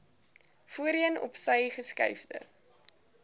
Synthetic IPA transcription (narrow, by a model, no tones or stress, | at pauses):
fuəɾiənɔ̰psəjχəskɐ̰jfdə̰